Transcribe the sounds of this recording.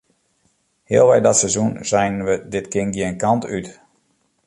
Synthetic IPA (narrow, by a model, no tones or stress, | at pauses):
hɪəlˠʋɛjdɔtsɛzunzɛjnʋədɪtkɪnɡiənkantyt